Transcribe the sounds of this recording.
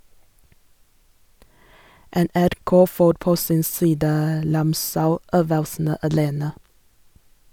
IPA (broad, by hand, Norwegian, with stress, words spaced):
ɛnæɾˈkoː ˈfoːɾ ˈpoː ˈsɪn ˈsiːdə ˈɾɑmsaʊˌøːʋəlsn̩ə ɑˈleːnə